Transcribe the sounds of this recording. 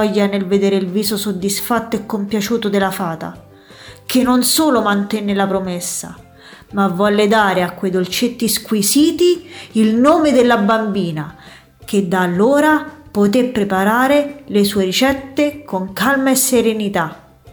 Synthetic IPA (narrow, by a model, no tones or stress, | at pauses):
ɔjːanelved̪eːɾeilviːsosod̪ːisfat̪ːoekːompjat͡ʃuːt̪od̪elːafaːt̪a̰ | kʰenːonsoːlomant̪ɛnːelapɾomesːa̰ | mavːɔlːed̪aːɾeakːwejd̪olt͡ʃet̪ːiskwisiːt̪iilnoːmed̪elːabambiːna | ked̪aːlːoːɾapot̪epːɾepaɾaːɾelesuːeɾit͡ʃɛt̪ːekoŋkalmaesːeɾenit̪a